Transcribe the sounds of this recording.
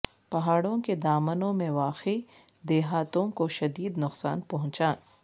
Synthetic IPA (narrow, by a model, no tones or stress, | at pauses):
pɐɦaːɽõked̪aːmənõmẽʋaːqi | d̪eːɦaːt̪õkoʃɐd̪iːd̪nʊqsa̰ːnpɐɦʊ̃t͡ʃaːn